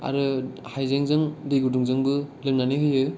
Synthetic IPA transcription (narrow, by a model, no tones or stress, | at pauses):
a̰ɾɯhajzeŋzɯŋdejɡuduŋzɯŋbɯlɯŋ̚nanɯɦɯjɯ